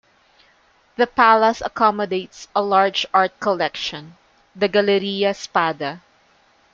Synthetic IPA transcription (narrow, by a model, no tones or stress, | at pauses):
ðɐpalɐsɐkɔmɔd̪eɪt̪sɐlaɹd͡ʒaɹt̪̚kɔlɛkʃɔ̃n | d̪ɐɡɐlɛɾijɐspad̪ɐ